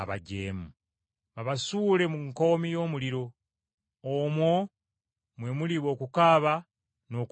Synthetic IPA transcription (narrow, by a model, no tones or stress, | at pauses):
aβa̰ɟeːmu | βaβasuːle̞muŋko̞ːmijo̞ːmuliɾo̞ː | mwo | mwe̞muliβo̞ːkukaːβa | no̞k